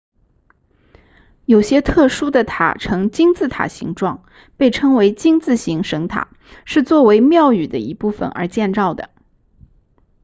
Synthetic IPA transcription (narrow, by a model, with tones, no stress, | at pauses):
jo˨˩ʊɕjɛ˥t̪ʰɤ˥˩ʂu˥d̪ə˨t̪ʰa̰˨˩ʈ͡ʂʰɤ˧˥ŋt͡ɕi˥ŋt͡sɹ̩˥˩t̪ʰa̰˨˩ɕḭ˧˥ŋʈ͡ʂwɑ˥˩ŋ | pe˥˩ɪʈ͡ʂʰɤ˥ŋwe˧˥ɪt͡ɕi˥ŋt͡sɹ̩˥˩ɕi˧˥ŋʂɤ˧˥ŋt̪ʰa̰˨˩˦ | ʂɻ̩˥˧t͡swɔ˥˩we˧˥ɪmjɑ˥˩ʊy˨˩d̪ə˦i˧˥pu˥˩fə̰˩nə̰˞˧˥t͡ɕjɛ˥˧nt͡sɑ˥˩ʊd̪ə˩